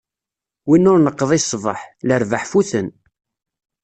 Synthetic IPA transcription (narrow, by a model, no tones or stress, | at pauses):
winːʊɾnəqːəðˤisˤːvə̰ħləɾvəħfuθən